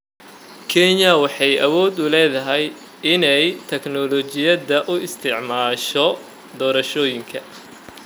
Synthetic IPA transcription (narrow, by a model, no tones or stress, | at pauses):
kʰɛɲɐwɑħɑjɐwɔːd̪ʊlɛːðɐɦɛj | ɪnɛjt̪ʰɛknɔlɔt͡ʃɪjɐðɐʔʊɪst̪ʰɪʕmaːʃɔ | d̪ɔːɾɐʃɔːjɪŋkʰɐ